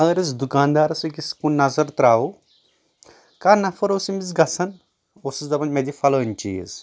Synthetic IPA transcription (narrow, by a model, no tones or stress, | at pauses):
ɐɡɐɾɨzd̪ukaːnd̪aːɾɐsɨkʲiskunnɐzɐɾt̪ɾaːu | kaɾnɐfɐɾoːsimit͡sɡɐsʰɐn | osizd̪ɐbɐnmɐd̪ʲifɐlɐːnʲt͡ʃijḭz